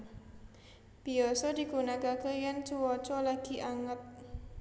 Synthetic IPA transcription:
b̥iɔsɔdi̤ɡunakakəjant͡ʃuwɔt͡ʃɔlaɡ̥i̤ʔaŋət̪̚

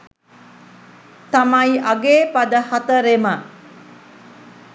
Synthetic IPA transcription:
t̪amajaɡeːpad̪əhat̪əɾemə

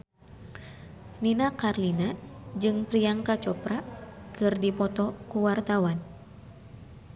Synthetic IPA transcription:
ninakarlinad͡ʒɨŋpɾijaŋkat͡ʃɔpɾakɨrdipɔt̪ɔkuwart̪awan

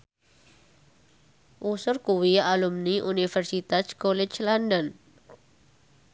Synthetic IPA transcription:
ʔusʊrkuwialumniʔunifɛrsit̪askolɛt͡ʃlandən

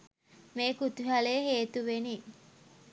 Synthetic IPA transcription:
meːkut̪uɦaleɦeːt̪uʋeni

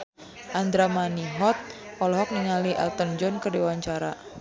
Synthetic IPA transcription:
ʔand̪ɾamaniɦɔt̪̚ɔlɔɦɔk̚niŋaliʔɛ̰lt̪ənd͡ʒɔnkərdiwaɲt͡ʃaɾa̰

